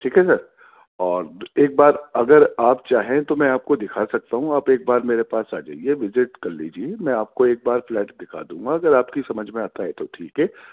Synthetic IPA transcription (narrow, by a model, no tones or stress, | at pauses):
ʈʰiːkɦɛsɐɾ | ɔːɾeːk̚baːɾɐɡəɾaːp̚t͡ʃaːɦẽt̪omɛ̃aːp̚kod̪ɪkʰasɐk̚t̪aɦũaːpeːk̚baːɾmeːɾepaːsa̰ːd͡ʒa̰ːieʋɪzɪʈkɐɾlḭd͡ʒiemɛ̃aːp̚koeːk̚baːɾflɛːʈd̪ɪkʰa̰d̪ũːŋɡaɐɡəɾaːpkisɐməd͡ʒʱmẽaːt̪aɦɛt̪oʈʰiːkɦɛː